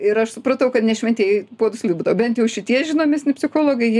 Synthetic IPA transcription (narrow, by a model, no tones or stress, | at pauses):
ɪɾɐʃsʊpɾɐt̪ɐʊkɐt̪nʲɛʃʲmʲɛnt̪ʲiɛjpuɔd̪ʊsʲlʲibuːd̪ɐʋɐbʲɛnt̪jɛʊʃʲɪt̪ʲiɛʒʲɪnoːmʲeɛsnʲɛpʲsʲɪxoːlˠoːɡɐɪ